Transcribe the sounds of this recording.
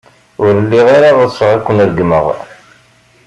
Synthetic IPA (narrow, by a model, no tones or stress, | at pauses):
ʊɾəlːiʁeɾaðəsˤəʁækʷːənɾəɡməʁ